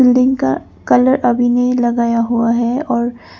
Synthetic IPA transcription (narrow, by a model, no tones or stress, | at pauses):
ɪlɖɪ̃ŋɡka̰ | kɐləɾʔɐbʱinelɐɡaːjaɦuaɦɛɔːɾ